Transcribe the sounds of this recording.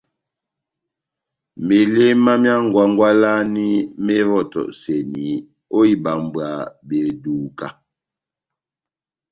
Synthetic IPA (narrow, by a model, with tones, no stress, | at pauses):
me˨le˦ma˦mja˦ŋ̩˨ɡwa˦ŋ˦ɡwa˦la˦ni˦me˦vɔ˦˨tɔ̰˨ʔsɛ˨ni˨˦ | o˦i˦ba˨m˨bwa˨be˨du˨ka˦